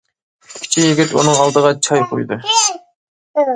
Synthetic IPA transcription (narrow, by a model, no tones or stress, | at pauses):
kʲʰi̥t͡ʃʰijiɡʲɪt̪ṵnɨŋɑlˠd̪əʁɑt͡ʃʰɑjqʰo̰jd̪ɨ